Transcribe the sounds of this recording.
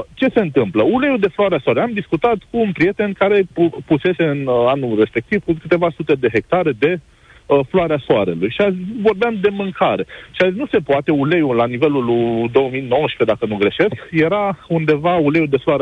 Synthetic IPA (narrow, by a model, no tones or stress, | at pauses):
t͡ʃe̞se̞ɨnt̪ɨmpləule̞jud̪e̞floaɾeasoaɾeamd̪iskut̪at̪kuːnpɾije̞t̪e̞nkaɾe̞puse̞se̞ɨnanure̞spe̞k̚t̪ivkukɨt̪e̞vasut̪e̞d̪e̞ɦe̞k̚t̪aɾe̞d̪e̞ | floaɾeasoaɾe̞̰lujʃiazivo̞rbeamd̪e̞mɨŋkaɾe̞ʃiazisnuse̞poat̪e̞ule̞julanive̞luld̪o̞wəmijno̞wəʃped̪akənuɡɾe̞ʃe̞skje̞ɾaund̪e̞vaule̞jud̪e̞floaɾ